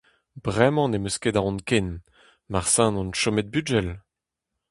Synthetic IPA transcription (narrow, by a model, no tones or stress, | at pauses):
b̥ʁɛmɑ̃nemøsked̪aʁɔ̃nkɛn | maʁsɛ̃nɔ̃nʃɔmɛt̪̚byd͡ʒɛl